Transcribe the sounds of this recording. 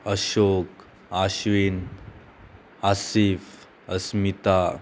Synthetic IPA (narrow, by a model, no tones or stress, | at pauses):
əɕok | aɕʋin | asif | əsmit̪a